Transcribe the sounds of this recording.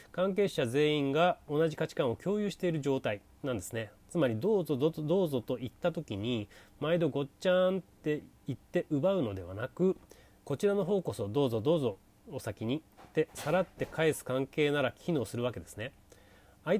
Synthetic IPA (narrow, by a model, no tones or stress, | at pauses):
kãŋk̬e̞ːɕaze̞ːĩŋɡao̞naʑikat͡ɕi̥kãɰ̃o̞kʲo̞ːjɯ̟ːɕi̥t̪e̞iɾɯ̟ʑo̞ːt̪ai | nãnd̪e̞sɨne̞t͡sɨmaɾʲid̪oːzo̞od̪o̞ːzo̞t̪o̞it̪ːat̪o̞kʲiɲ̟imaid̪o̞ɡo̞t͡ɕãnt̪e̞ | it̪ːe̞ʔɯ̟baɯ̟no̞d̪e̞βa̰nakɯ̟ | ko̞t͡ɕiɾano̞ɦo̞ːko̞so̞d̪o̞ːzo̞d̪o̞ːzo̞ː | sakʲiɲ̟it̪e̞saɾat̪ːe̞kʰaesɨ̥kãŋke̞ːnaɾakʲʰino̞ːsɨɾɯ̟βake̞d̪e̞sɨ̥ne̞ | ai